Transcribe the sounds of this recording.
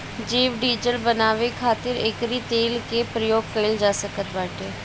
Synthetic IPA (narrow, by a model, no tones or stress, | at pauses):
d͡ʒeːʋɖiːd͡ʒəlbənaːʋekʰaːt̪ɪɾɪkɾiːt̪eːlkepɾəjoːɡ̚kəld͡ʒaːsəkət̪ʋaːʈeː